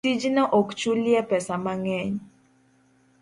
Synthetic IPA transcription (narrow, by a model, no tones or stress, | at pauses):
id͡ʒinaʔɔkt͡ʃuljɛpɛsamaŋɛɲ